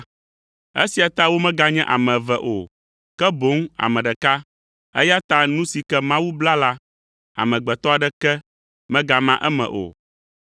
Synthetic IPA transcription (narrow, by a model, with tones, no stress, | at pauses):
ɛ̰˦si˨a˨t̪a˦wo˦mɛ̃˦ɡa˨ɲɛ̃˦ʔa̰˨mɛ̃˨vɛ˨ʔo̰˨ | kɛ˦bo˨˦ŋa̰˨mɛ̃˨ɖɛ˨ka˦ | ɛ̰˦ja˦t̪a˦nũ˦si˨kɛ˦mã˦wu˦bla˦la˦ | a̰˨mɛ̃˨ɡ͡bɛ˨t̪ɔ˦a˨ɖɛ˦kɛ˦ | mɛ̃˦ɡa˨mã˦ʔɛ˦mɛ̰̃˨ʔo̰˨